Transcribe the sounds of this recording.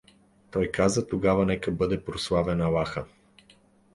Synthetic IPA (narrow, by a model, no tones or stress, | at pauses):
t̪ɔjkazət̪oɡavɐnɛkəbɤd̪ɛpɾoslˠavɛnɐlˠaxə